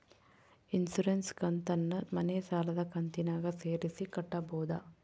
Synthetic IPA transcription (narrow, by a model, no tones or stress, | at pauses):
insuɾenskɐnt̪ɐnːɐmɐnesaːlɐd̪ɐkɐnt̪inaːɡɐseːɾisikɐʈːɐbɔːd̪ɐ